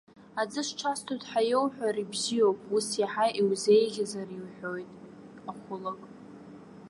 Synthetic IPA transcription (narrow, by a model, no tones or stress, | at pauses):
ad͡zɨʂʈ͡ʂʰastʰojtʼħajowħʷᶣaɾibzijo̞wpʼusjaħaʔiwze̞jɣʲazariwħᶣojtʼ | aχʷʊlakʼ